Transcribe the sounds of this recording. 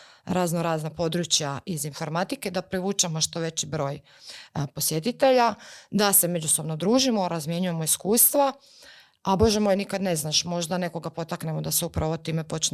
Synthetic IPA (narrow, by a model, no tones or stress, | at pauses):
ɾaːznoɾaːznapo̞d̪ɾut͡ɕjaizinfo̞ɾmat̪ike̞d̪apɾiʋuːt͡ʃemo̞ʃt̪o̞ʋe̞t͡ɕibɾo̞ːj | po̞sje̞t̪it̪e̞ʎad̪ase̞me̞d͡ʒusobno̞d̪ɾuːʒimo̞ɾazmje̞ɲuje̞mo̞iskuːst̪ʋa | abo̞ʒemo̞jnikad̪ne̞znaʃmo̞ʒd̪ane̞ko̞ɡapo̞t̪aknemo̞d̪aseupɾaʋo̞t̪iːme̞po̞t͡ʃ